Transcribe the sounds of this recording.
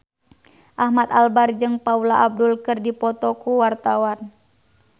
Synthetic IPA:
ʔahmat̪albard͡ʒɨŋpaulaʔab̚dulkɨrdipɔt̪ɔkuwart̪awan

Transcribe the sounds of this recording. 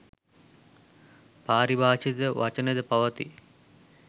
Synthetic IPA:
paːɾibʱaːʃid̪əʋʔat͡ʃəned̪əpɐʋɐt̪ḭ

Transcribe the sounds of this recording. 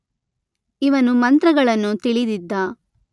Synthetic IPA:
iʋɐnumɐnt̪ɾɐɡɐɭɐnːut̪iɭid̪id̪ːɐ

